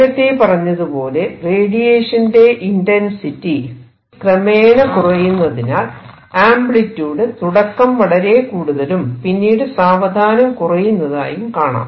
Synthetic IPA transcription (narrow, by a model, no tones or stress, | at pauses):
ɐt̪ːepɐrɐɲːɐðupo̞ːle̞reːɽijeːʂɐnde̞ʔindɐnsitːi | krɐmeːɳɐkurɐjunːɐðinaːl | aːmbɭitːuːɽet̪uɽɐkːɐmʋɐɽɐɾe̞kuːɽuðɐlumpinːiːɽɨsaːʋɐd̪ʱaːnɐmkurɐjunːɐða̰ːjumkaːɳa̰ːm